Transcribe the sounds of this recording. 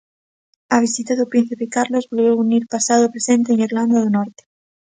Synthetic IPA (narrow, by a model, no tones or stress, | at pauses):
aβ̞isit̪aðʊpɾĩn̟θipekaɾlozβolβeuniɾpasaðopɾesẽnt̪eːŋiɾland̪aðonɔɾt̪e̥